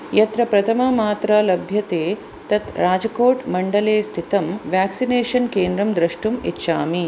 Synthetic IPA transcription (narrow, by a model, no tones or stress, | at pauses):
jɐt̪ɾɐpɾɐt̪ʰɐmɐmaːt̪ɾɐlɐbʱjɐt̪eː | t̪ɐt̪ɾaːd͡ʒɐkoːʈmɐɳɖɐleːst̪ʰit̪ɐmʋjaːksineːʂɐnkeːnd̪ɾɐmd̪ɾɐʂʈumitːʃaːmi